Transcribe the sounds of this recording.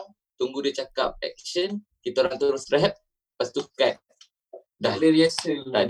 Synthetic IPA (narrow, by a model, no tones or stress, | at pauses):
t̪uŋɡudit͡ʃakap̚ɛ̰k̚ʃən | kit̪aoɾaŋt̪uɾusɾɛɦɛp̚ | past̪ukat̪̚ | dahliɾiasənt̪ad